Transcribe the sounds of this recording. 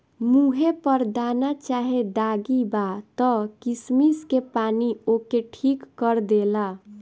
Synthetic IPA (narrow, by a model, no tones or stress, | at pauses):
muɦepəɾd̪anat͡ʃaːɦed̪aːɡibat̪ɔkismiskepaːniokeʈʰikːəɾd̪ela